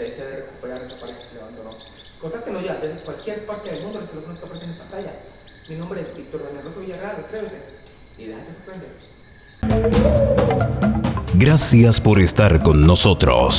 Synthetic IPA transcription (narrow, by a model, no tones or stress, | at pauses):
eseðereku̥peɾaɾest̪apaɾessilaβaend̪onokont̪aɾt̪enoʝad̪ezðekwalkje̞ɾpaɾt̪eðelmũnd̪ooselasonst̪apaɾesenest̪aplaʝa | minombɾebik̚t̪oɾβenelro̞soβiʝaɣɾand̪ekɾe̞oke | iðeasesoɾpɾend̪ḛ | ɡɾasjaspo̞ɾest̪aɾko̞nːo̞so̞t̪ɾo̰s